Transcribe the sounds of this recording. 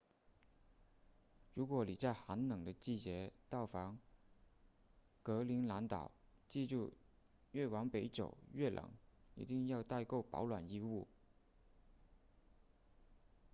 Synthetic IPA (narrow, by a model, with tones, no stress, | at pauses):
ɻu˧˥kwɔ˧˥li˨˩t͡sa˥˩ɪxa˧˥nnɤ˨˩ŋd̪ə˦t͡ɕi˥˩t͡ɕjɛ˧˥t̪ɑ˥˩ʊfɑ˧˥ŋ | kɤ˧˥li˧˥ŋla˧˥nt̪ɑ˨˩ʊt͡ɕi˥˧ʈ͡ʂu˥˧ | ɥɛ˥˩wɑ˧˥ŋpe˧˥ɪʈ͡ʂo˨˩ʊɥɛ˥˩lʔɤ̰˨˩˦ŋḭ˧˥t̪i˥˧ŋjɑ˥˧ʊt̪a˥˧ɪko˥˩ʊpɑ̰˧˥ʊlwa̰˨˩ni˥˧u˥˩